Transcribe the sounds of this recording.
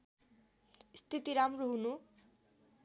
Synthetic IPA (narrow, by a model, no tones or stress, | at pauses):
st̪ʰit̪iɾamɾoɦunu